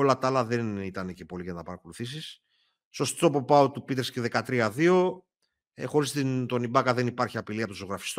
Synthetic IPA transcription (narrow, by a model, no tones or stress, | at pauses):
o̞lɐt̪ɐlɐðe̞nit̪ɐnecepo̞liʝɐnɐpɐɾɐko̞luθisis | so̞st̪o̞po̞pɐot̪upit̪ɾesceðe̞kɐt̪ɾiɐðio̞ | exo̞ɾist̪int̪o̞nibɐkɐðe̞nipɐɾçiɐpiliɐpot̪oso̞ɣɾɐfi̥st̪o